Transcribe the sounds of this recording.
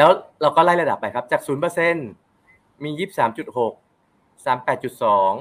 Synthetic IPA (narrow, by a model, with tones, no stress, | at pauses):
lɛː˦˥wɾa˧wkɔː˥˩laː˥˩jɾa˧da˨˩pːa˧jkʰa˦˥p̚t͡ɕaː˨˩k̚suː˩˦npɤː˧se˧˥˩n | miː˧jiː˥˩p̚saː˩˦mt͡ɕu˨˩t̪̚ho˨˩k̚ | saː˩˦mpɛː˨˩t̪̚t͡ɕu˨˩t̪̚sɔː˩˦ŋ